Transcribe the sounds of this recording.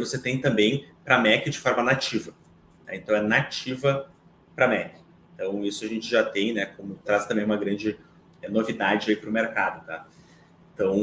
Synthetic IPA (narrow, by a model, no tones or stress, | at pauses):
voset̪ẽj̃t̪ɐ̃mbẽj̃pɾɐmɛkɪd͡ʒɪfɔɾmɐnat͡ʃivɐ | nɛ̰ẽnt̪ɐ̃w̃ɛnat͡ʃivɐ | pɾɐmɛkɪ̥ | ẽnt̪ɐ̃w̃isʊɐʒẽnt͡ʃɪʒat̪ẽj̃nɛkõmʊt̪ɾast̪ɐ̃mbẽj̃ũmɐɡɾɐ̃nd͡ʒɪ | ɛnovid̪ad͡ʒɪaipɾʊmeɾkad̪ʊt̪a̰ | ẽt̪ɐ̃w̃